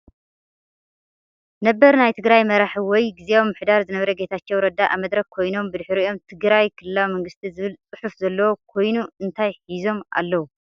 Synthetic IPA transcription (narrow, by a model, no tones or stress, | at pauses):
nɐbːɐɾnajt̪ʰɨɡɾajmɐɾaħiwɔjɡizeomːɨħd̪aɾzɨnɐβɐɾɐɡe̞t̪ʰat͡ʃːowɾɐd̪aʔa̰mɐd̪ɾɐkkʰːo̞jno̞mbɨd̪ɨħɾiʔo̞mt̪ʰɨɡɾajkʰɨlɨlawmɐŋɡɨst̪ʰizɨβɨlt͡sʼɨħufzɐlːɐwokʰo̞jnuɨnt̪ʰajħizo̞mʔa̰lːɐwu